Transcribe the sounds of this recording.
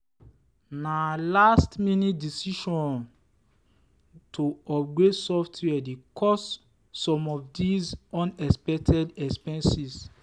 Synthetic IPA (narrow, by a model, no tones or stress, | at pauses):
nalastminitdisiʃɔ̃n | tʰoɔp̚ɡɹesɔftʰwɛdekʰɔsː | ɔ̃mɔfdizɔ̃nɛspɛk̚tʰɛdɛkspɛ̃nsis